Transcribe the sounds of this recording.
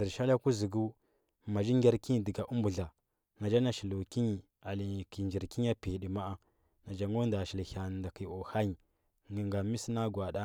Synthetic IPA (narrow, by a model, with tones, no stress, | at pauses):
ə˨ɾʃa˦la˦ku˦zi˨ɡu˦ | ma˨d͡ʒi˦ŋɡʲa˦ɾki˦ɲi˨di˨ɡa˨ʔu˦mbu˨ɮa˨ | na˨d͡ʒa˦na˨ʃi˨lu˨ki˦ɲi˨ | a˨li˨ki˨nd͡ʒi˨ɾki˦ɲ˦a˦pi˨i˨di˨ma˦a˦ | na˨d͡ʒa˨ŋo˦nda˨ʃi˨lha˨nda˨ki˨o˨ha˦ɲi˨ | ŋɡə˨ŋɡa˨mi˦si˦na˦ɡwa˨da˦